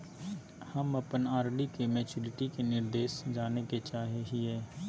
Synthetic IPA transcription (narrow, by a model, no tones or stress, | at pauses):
həməpənaːɾɖikemɛːt͡ʃʊlɪʈikenɪɾd̪eːʃd͡ʒaːneket͡ʃaːɦeɦiɦɛː